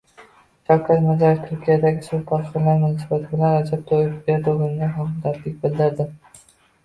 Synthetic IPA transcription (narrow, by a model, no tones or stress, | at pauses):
ʃɒkʲʰat̪mazaɾɪft̪ʰʊɾkʲʰijad̪aɡʲɪsɪp̪ʰɒɾqɪɾnaɾmʊnɒsɪbat̪ʰɪbɪlanɾad͡ʒab̚t̪ʰojɪpbeɾd̪ɪɡɪnɪnɪhamd̪at̪lɪk̚ʲbɪld̪ɪɾd̪ɪ